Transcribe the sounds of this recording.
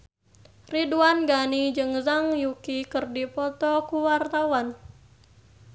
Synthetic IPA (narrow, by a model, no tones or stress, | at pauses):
riduanɡanid͡ʒɨŋzaŋjukikərdipɔt̪ɔkuwart̪awan